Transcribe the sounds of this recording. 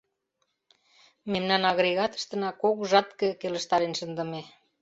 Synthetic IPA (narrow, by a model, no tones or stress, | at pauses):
memnɑnɑɣɾeɣɑt̪ə̥ʃt̪ə̆nɑkokʒɑt̪kə̆kelə̆ʃt̪ɑɾenʃə̆nd̪ə̆me